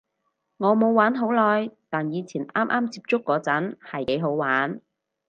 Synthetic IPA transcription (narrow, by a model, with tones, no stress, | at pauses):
ŋɔː˨˧mo˨˧wwaː˨˥nɦo˨˥wlɔː˨˧jt̪aː˨njiː˨˧t͡sʰiː˨˩nʔaː˥mʔa̰ː˥mt͡siː˧p̚t͡sʊ˥kːɔː˨˧˥t͡sɐ˨˥nhɐ˨jke˨˥jɦo˨˥wwaː˨˥n